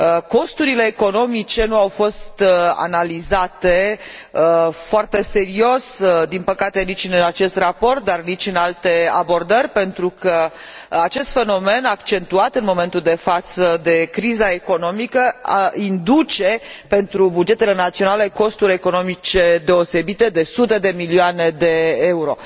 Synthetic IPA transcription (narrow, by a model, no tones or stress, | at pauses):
ko̞st̪uɾile̞ːko̞no̞mit͡ʃe̞nuawfo̞st̪a̰nalizat̪e̞ | foart̪e̞se̞ɾio̞sd̪inpəkat̪e̞nit͡ʃʲɨnat͡ʃe̞st̪rapo̞rt̪̚d̪arnit͡ʃɨnalt̪e̞a̰bo̞rd̪ərʲpe̞nt̪ɾukə | at͡ʃe̞st̪fe̞no̞me̞nakt͡ʃe̞nt̪uat̪ɨnmo̞me̞nt̪uld̪e̞fat̪səd̪e̞kɾizae̞ko̞no̞mikəaind̪ut͡ʃe̞pe̞nt̪ɾubud͡ʒe̞t̪e̞le̞nat̪sio̞nale̞ko̞st̪uɾʲe̞ko̞no̞mit͡ʃe̞d̪e̞o̞se̞bit̪e̞d̪e̞sut̪e̞d̪e̞milioane̞d̪e̞e̞uɾo̞